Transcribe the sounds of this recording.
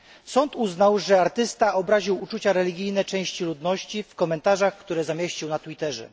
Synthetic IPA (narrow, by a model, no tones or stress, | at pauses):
sɔnt̪uznawʐɛaɾt̪ɘst̪aɔbɾaʑiwut͡ʂut͡ɕaɾɛlʲiɡʲijnɛt͡ʂɛ̃w̃ɕt͡ɕilud̪nɔɕt͡ɕifkɔmɛnt̪aʐaxkt̪uɾɛzamʲeɕt͡ɕiwnat̪wit̪ɛʐɛ̰